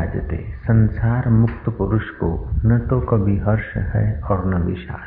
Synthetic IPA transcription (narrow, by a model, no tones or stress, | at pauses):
d͡ʒət̪ḛsɐ̃nsaːɾmʊk̚t̪əpʊɾʊʃkonɐt̪okɐbʱiɦɐɾʃɦɛ̰ɔːɾnɐbɪʃa̰ː